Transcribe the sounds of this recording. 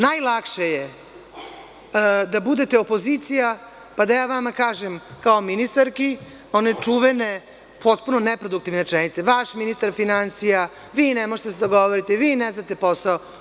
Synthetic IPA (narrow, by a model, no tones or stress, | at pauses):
najlˠakʃeje | d̪abud̪e̞t̪eopo̞zit̪sija | pad̪ajaːʋamakaːʒemkao̞minist̪aɾki | o̞ne̞t͡ʂuʋene̞ | pʰo̞t̪puno̞nepɾo̞d̪uk̚t̪iʋnet͡ʃenit̪seʋaʃminist̪aɾfinansija | ʋiːnemoʒet̪sed̪oɡo̞ʋoɾit̪eʋiːneznat̪e̞po̞sao